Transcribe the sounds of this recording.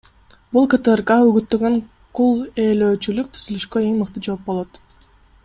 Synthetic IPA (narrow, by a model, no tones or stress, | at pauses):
bulˠkət̪erkaøɡyt̪ːø̞ɡø̞ŋ | qʰulˠeːløːt͡ʃylyk̚t̪ʰyzylyʃkøeŋmɯqt̪ɯd͡ʒo̞p̚bo̞lˠo̞t̪